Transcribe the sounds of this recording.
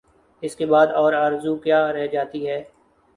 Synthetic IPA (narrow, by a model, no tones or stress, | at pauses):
ɪskebaːd̪ɔːɾaːɾzukjaːɾɛɦd͡ʒaːt̪iɦɛː